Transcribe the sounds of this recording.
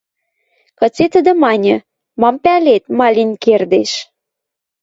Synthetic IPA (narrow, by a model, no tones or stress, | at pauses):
kɤ̆t͡set̪ə̆d̪ə̆mɑnʲə̆ | mɑmpælet̪mɑlʲinʲkerd̪eʃ